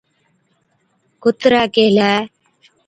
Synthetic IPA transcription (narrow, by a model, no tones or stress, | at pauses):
kʊt̪ɾaːkelaː